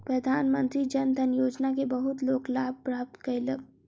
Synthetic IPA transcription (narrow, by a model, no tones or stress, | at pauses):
pɾɐd̪ʱaːnmə̃nt̪ɾid͡ʒɐnd̪ʱɐnjoːd͡ʒnakebɐɦʊt̪loːɡlaːb̚ʱpɾaːp̚t̪kələ